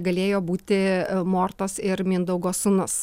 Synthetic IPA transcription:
ɡɐlʲeːjoːbuːt̪ʲɪmoːrt̪oːsɪɾmʲiːnd̪ɐʊɡoːsʊnʊs

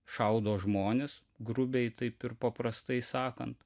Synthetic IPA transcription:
ʃɐʊd̪oːʒmoːnʲes | ɡɾʊbʲɛɪt̪ɐɪpɪɾpɐpɾɐst̪ɐɪsɑːkɐnt̪

